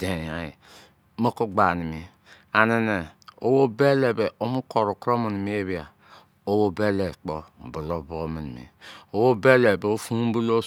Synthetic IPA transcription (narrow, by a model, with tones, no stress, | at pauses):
d̥e˨ja˨ji˨ | mo˦ku˦ɡ͡ba˨ni˨mi˨˦ | a˨ne˦ne˨o˦wo˦be˦le˨be˨ʔo˦mu˦ko˨ɾo˨kɾo˦mi˨ni˨mi˦e˦bi˦a˨ | o˦wo˦be˦le˨k͡po˦m̩˨bu˨lo˦bo˦mi˨ni˨mḭ˨o˦wo˦be˦le˨be˨o˦fu˦bu˦lo˦